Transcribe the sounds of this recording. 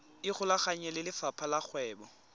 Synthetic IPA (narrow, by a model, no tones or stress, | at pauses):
ɪχʊlaχaɲɛlɪlɪfapʰalak͡xʰwɛːbɔ